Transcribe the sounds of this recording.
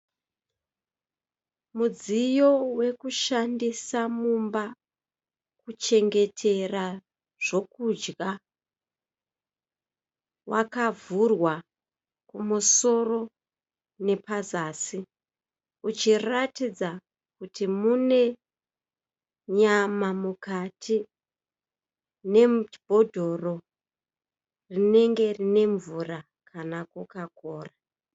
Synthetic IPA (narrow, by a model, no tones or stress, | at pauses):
mud͡zijo̞we̞kuʃandisamumba | kut͡ʃe̞ŋɡe̞tʰe̞ra | ʐ̥o̞kud͡ʒɡa | wʔakavurwa | kumuso̞ro̞ | ne̞pazaːsi | ut͡ʃiratid͡za | kutʰimune̞ | ɲamamukatʰi | ne̞b̥ʱo̞dʱo̞ro̞ | rine̞ŋɡe̞rine̞ɱvura | kʰanakukakoːra